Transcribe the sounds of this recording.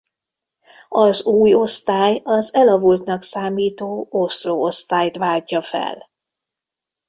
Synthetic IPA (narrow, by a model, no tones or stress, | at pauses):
ɒzuːjo̞st̪aːjɒzɛlɒvult̪nɒksaːmiːt̪oːosroːost̪aːjt̪ʋaːɟːɒfɛ̰l